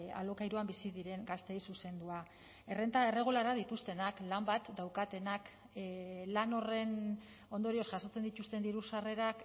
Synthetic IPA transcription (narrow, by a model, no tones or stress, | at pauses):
a̰lo̞kajɾuambisið̞iɾe̞ŋɡast̪e̞jsuse̞nd̪ua | e̞re̞nt̪ae̞re̞ɣ̞ulaɾaðit̪ust̪e̞naklambat̪d̪awkat̪e̞nak | lano̞re̞n | o̞nd̪o̞ɾio̞sʝaso̞t͡se̞nd̪it̪ust̪e̞nd̪iɾusare̞ɾak